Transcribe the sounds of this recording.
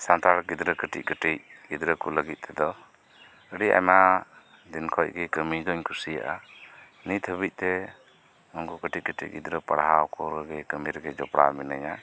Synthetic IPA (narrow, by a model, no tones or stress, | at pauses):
sant̪ʰaɾɡid̪ɾəkəʈḭc̚kəʈic̚ɡid̪ɾəkʰuləɡit̪̚ˀt̪ʰɛd̪ɔ | əɾia̰jma | d̪inkʰɔj̚ɡɛkəmid̪ɔɲkʰusija̰ʔa | nit̪ʰəbic̚ˀt̪ɛ | ɔŋɡukəʈikətʰḭc̚ɡḭd̪ɾəpəɽaɦaɔkʰɔɾɡɛkəmiɾɛɡɛd͡ʒɔpɽa̰minaja